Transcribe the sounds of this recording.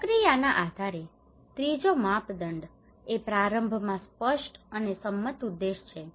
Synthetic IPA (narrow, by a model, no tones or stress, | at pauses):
əkɾijanaʔad̪ʱaɾe | t̪ɾid͡ʒomapd̪əɳɖ | epɾaɾəmbʱmãspəʃʈənesəmːət̪ud̪ːeʃt͡ʃʰe